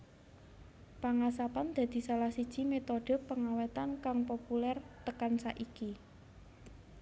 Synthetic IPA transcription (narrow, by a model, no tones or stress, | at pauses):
paŋasapand̪̥a̤d̪̥i̤salahsid̥ʒ̥i̤met̪oɖ̥ə̤pːəŋawet̪ankaŋpopulɛrt̪əkansaʔiki